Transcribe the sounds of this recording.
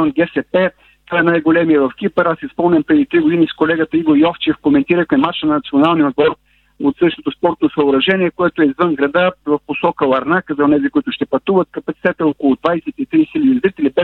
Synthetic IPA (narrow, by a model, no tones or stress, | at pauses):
ɔnɡʲɛsɛpɛ | t̪ovaɛnajɡolɛmiəvɐfk̟ipəɾasispɤlˠnʲəmpɾɛd̪it̪ɾiɡod̪iniskolɛɡət̪əiɡoɾjɔft͡ʃɛfkomɛnt̪iɾəxmɛmat͡ʃənnɐt̪sionalˠniod̪̚bɔɾ | ot̪sɤd̪ɛʃt̪ot̪ospɔɾt̪nosɐoɾɐʒɛniɛkoɛt̪oɛizvənɡɾɐd̪avɐfposɔkəlˠɐɾnakəzɐonɛzikoit̪ʊʃt̪ɛpɐt̪uvət̪̚kɐpɐt̪si̥t̪ɛt̪əɛɔkolˠʊd̪vajsɛt̪it̪ɾisɛlʲizɾit̪ɛlibɛ